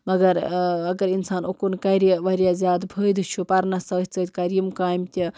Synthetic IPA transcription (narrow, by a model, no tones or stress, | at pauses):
mɐɡɐɾɐɡɐɾinsaːnokunkɐɾjɐʋɐɾjazʲaːd̪bʱəːjd̪ɨt͡ʃʰupɐɾnɐsɐt̪ʲt͡səːt̪ʲkɐɾjimkaːjmt̪ʲɐ